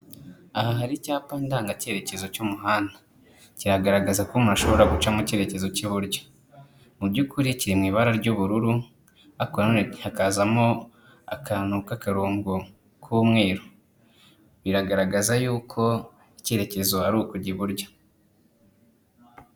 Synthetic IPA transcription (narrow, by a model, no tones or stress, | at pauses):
ahaɦaɾicaːpaːndaːŋɡace̞ːɾe̞ce̞zo̞cumuɦaːnda | ciɾaɡaɾaɡazakumaʃo̞βoɾaɡut͡ʃamuce̞ːɾe̞ce̞zo̞ciβuɾɟḁ | mubɟukuɾiciɾimŋiːβaɾaɾɟuβuɾuɾu | akohakaːzamo̞ | a̰kanukakaɾuːŋɡu | kʰumŋe̞ːɾo | βiɾaɡaɾaɡazajuːkʰo̞ | ice̞ɾe̞ce̞zo̞haɾukuɟiβuɾɟḁ